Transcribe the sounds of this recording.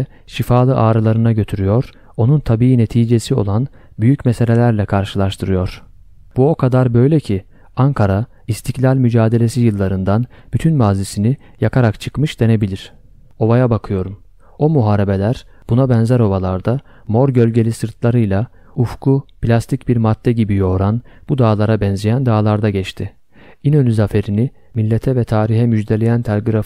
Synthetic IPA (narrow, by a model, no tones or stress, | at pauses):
ʃifaːlˠɯʔaːɾɯlˠaɾɯnaɟø̞t̪ʰyɾyjo̞ɾ̥ | o̞nunt̪ʰabiːine̞t̪ʰiːd͡ʒe̞sio̞̰lˠan | byjycmɛse̞lʲe̞lʲæɾlʲɛkʰaɾʃɯlˠaɾʃt̪ʰɯɾɯjo̞ɾ̥ | b̥uo̞kʰad̪aɾbø̞jlʲɛcʰi | aŋkʰaɾa | ist̪ʰiclʲalʲmyd͡ʒaːd̪e̞lʲe̞sijɯlˠːaɾɯnd̪anb̥yt̪ʰynmaːzisini | jakʰaɾakt͡ʃʰɯ̥kmɯʃd̪e̞ne̞bilʲiɾ̥ | o̞βajabakʰɯjo̞ɾum | o̞muɦaːɾe̞be̞lʲæɾ̥ | b̥unabɛnzæɾo̞βalˠaɾd̪a | mo̞ɾɟølʲɟe̞lʲisɯɾt̪ʰlˠaɾɯjlˠa | ufkʰupʰlʲast̪ʰicbiɾmad̪ːɛɟibijo̞ːɾanb̥ud̪aːlˠaɾabɛnzijænd̪aːlˠaɾd̪aɟɛt͡ʃt̪ʰɪ | inønyzafe̞ɾini | milʲːet̪ʰɛvɛt̪ʰaːɾiɦɛmyd͡ʒd̪e̞lʲejænt̪ʰalʲɡiɾa